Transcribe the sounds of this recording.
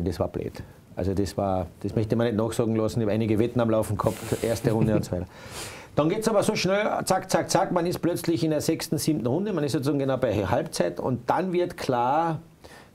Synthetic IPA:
ndesva̰ːɐb̥lʔḛːt | ʔa̰lzodesv̥aːɐd̥esmœçtəmanːɛtnɔːxsɑːɡŋ̩lɑsn̩maɪnɪɡəvɛtn̩amlaʊfn̩ɡ̥hɑptʔeːɐstəʁʊndəʊntsovaɪtɐd̥ɑnɡeːtsɑːbɐsoːʃnɛlt͡sakt͡sak̚t͡sakmanɪst̚plœt͡slɪçɪndeːɐzɛkstn̩siːmtn̩ʁʊndəmanɪstsot͡szaːɡŋ̩ɡenaʊbaɪhalpt͡saɪtʊ̰nt̚d̥anvɪɐtkʰl̥aːɐ

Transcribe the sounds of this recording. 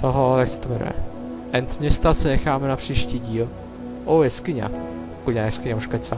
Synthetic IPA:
t̪oɦojaksɛ̥t̪ovɛnṵjɛ̰ | ʔɛnt̪mɲɛst̪asɛnɛxaːmɛnapr̥iːʃciːɟiːl | ʔojɛskɪɲa̰ | pkuajɛskɪɲauʃkaɲsa

